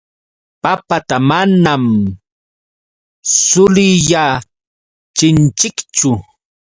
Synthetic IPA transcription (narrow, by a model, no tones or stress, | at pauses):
papat̪amanam | sʊlɪja | t͡ʃɪnt͡ʃɪkt͡ʃʊ